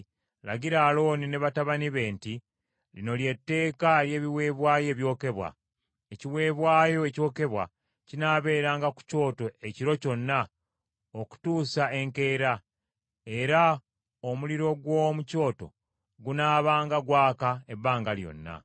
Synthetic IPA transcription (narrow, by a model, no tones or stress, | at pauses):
la̰ɟiɾaːlo̞ːnine̞βataβaniβe̞ːnti | lino̞lje̞tːe̞ːkalje̞ːβiwe̞ːβwaːje̞ːβjo̞ːke̞βwa̰ | eciwe̞ːβwaːjo̞eco̞ːke̞βwa | cinaːβe̞ːɾaːŋɡaku̥co̞ːto̞e̞ciɾo̞co̞nːa | oku̥tuːsae̞ŋke̞ːɾa | e̞ɾa | omuliɾo̞ɡwomuco̞ːto̞̰ | ɡunaːβaːŋɡaɡwaːkae̞bːaːŋɡaljo̞̰nːa̰